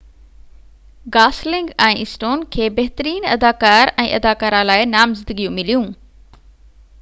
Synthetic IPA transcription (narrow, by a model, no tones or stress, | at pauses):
ɡaːslɪ̃ŋɡɛ̃ːɪsʈoːnkʰeːbɐɦɪt̪əɾiːnɐd̪aːkaːɾɛ̃ːʔɐd̪aːkaːɾãlaːɪnaːmzɪnd̪əɡijũmɪlijũ